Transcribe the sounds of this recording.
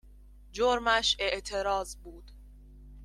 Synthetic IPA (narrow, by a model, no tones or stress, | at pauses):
d͡ʒoɾmæʃe̞ʔt̪ʰe̞ɾɒːzbuːd̪̥